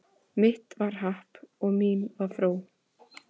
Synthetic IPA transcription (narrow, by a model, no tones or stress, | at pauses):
mɪht̪vaɾ̥ɦahpɔɣmiːnvaɾfɾoːw